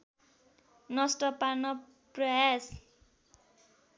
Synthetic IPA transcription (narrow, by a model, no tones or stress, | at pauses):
nʌsʈʌpanʌ | prʌjas